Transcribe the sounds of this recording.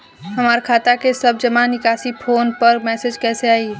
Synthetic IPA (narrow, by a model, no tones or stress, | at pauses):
ɦəmaːɾkʰaːt̪akesəb̚d͡ʒəmanɪkaːsipʰoːnpəɾmɛːsed͡ʒkɛːseaːi